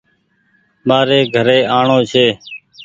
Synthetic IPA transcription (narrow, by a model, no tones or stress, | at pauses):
ɓaːɾeːɡʱəɾeːaːɳoːt͡ʃʰeː